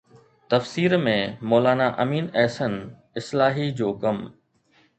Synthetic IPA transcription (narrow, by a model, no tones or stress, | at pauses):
t̪ɐfsiːɾmẽmoːlaːnaʔɐmiːnɛːsən | ɪslaːɦid͡ʑoːkɐm